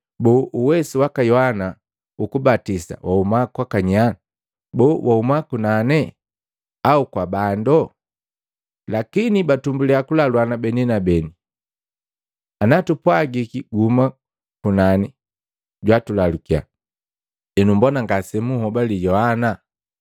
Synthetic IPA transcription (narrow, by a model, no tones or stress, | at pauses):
bɔːʔuwɛsiwakajɔhana | ukubatisa̰waumakwakaɲana | bɔwʔaumakunanɛ | aukwabandɔ | lakinibatumbulɛakulalwanabɛninabɛni | anatupwaɡikiɡuuma | kunani | ɟwatulalukia̰ | ɛnumbɔnaŋɡasɛmuhɔbalijɔhana